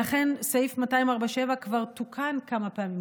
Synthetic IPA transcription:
aχe̞nsejifmatajimaʁbaʃe̞vakvaʁtukʰankamapeamim

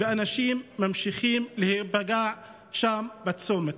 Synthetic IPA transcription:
bɪʔanaʃiːmːamʃixiːmlɪhiːbaɡaːʕ | ʃaːmbat̪soːmɪt̪

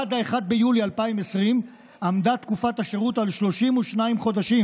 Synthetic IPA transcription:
ad̪aeχad̪̚bejulialpaime̞sʁim | amd̪at̪kufat̪aʃeʁut̪alʃlo̞ʃimuʃnaimχo̞d̪aʃim

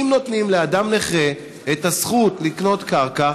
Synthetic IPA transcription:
imno̞t̪nimleadamneχe | et̪asχutlikno̞t̪kaʁka

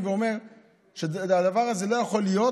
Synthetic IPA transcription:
veome̞ʁ | ʃead̪avaʁazelo̞jaχo̞lijo

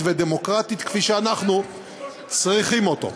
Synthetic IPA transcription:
ved̪emo̞kʁat̪it̪kfiʃeanaχnu | t͡sʁiχimo̞t̪o̞̰

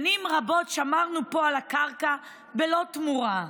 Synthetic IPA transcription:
nimʁabo̞tʃamaʁnupo̞alakaʁka | belo̞tmuʁa

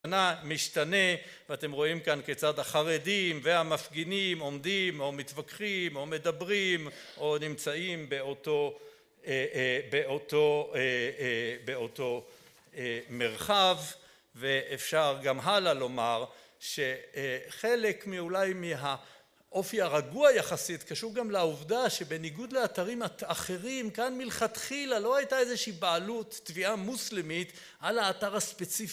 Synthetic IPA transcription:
namiʃtane̞ | veatemʁo̞imkanket͡sadaχaʁe̞dimvehamafɡinimo̞mdimo̞mit̪vakχimo̞me̞dabʁim | ʔo̞nimt͡saimbe̞o̞to̞ | ebeoto̞e | beo̞to̞ | emeʁχavː | eʔefʃaʁɡamɦalalo̞maʁ | ʃe̞χe̞lekmiulajmiɦa | ʔo̞fiaʁaɡuajaχasit̪kaʃuʁɡamlauvdaʃe̞be̞niɡud̪leataʁimaaχe̞ʁimkanmilχatχilalo̞hajtaezeʃiːbaalutːviamuslimit̪ | ʔalaːtaʁhaspe̞t͡si

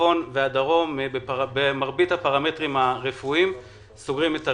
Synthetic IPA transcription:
o̞nveadaʁo̞mbebemaʁbithapaʁame̞tʁimhaʁefuim | soɡʁimeta

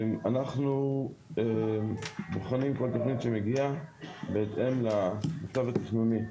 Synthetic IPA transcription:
anaχnue | boχanimko̞lt̪o̞χnit̪ʃemeɡiabeːt̪e̞mlamat͡savat̪iχnuni

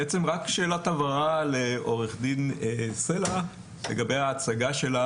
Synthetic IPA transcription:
et͡semʁakʃeːlotavaʁaleʔo̞ʁeχd̪inesela | lḛɡabe̞jaːt͡saɡaʃe̞la

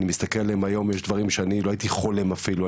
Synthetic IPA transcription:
nimist̪akelaleemajo̞mjeʃd̪vaʁimʃeaniloait̪iχo̞le̞mafilua

